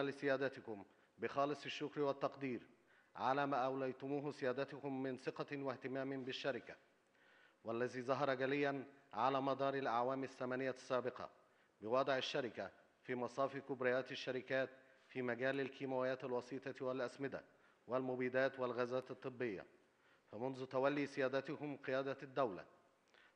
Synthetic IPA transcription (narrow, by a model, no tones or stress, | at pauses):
alɪsɪjæːd̪æt̪ɪkʊm | bɪxɑːlɨsˤɪʃːʊkɾwat̪ːɑqd̪iːɾ | ʕa̰læːmaːʔawlajt̪ʊmuːɦsɪjæːd̪at̪ʊkʊmːɪnsɪqɑwaht̪ɪmaːmbɪʃːaɾɪka | walːæziːzɑɦɑɾˤɑɡalɪjːanʕa̰læːmɑd̪ˤɑːɾˤɪlʔaʕwaːmɪsːæmænɪjːasːæːbɪqɑ̰ | bɪwɑːd̪ˤʕɪʃːaɾɪka | fiːmɑsˤɑːfikʊbɾɪjæːt̪ɪʃːaɾɪkæːt̪ | fiːmæɡæːlɪlkiːmawɪjæːt̪alwɑsˤiːt̪ˤɑwalʔæsmɪd̪a̰ | wɪlmʊbiːd̪æːt̪wɪlɣæːzæːt̪ɨt̪ˤːɨbːɪjːæ̰ | fæmʊnzʊt̪æwælːiːsɪjæːd̪æt̪ʊhʊmqɨjæːd̪ad̪ːawla̰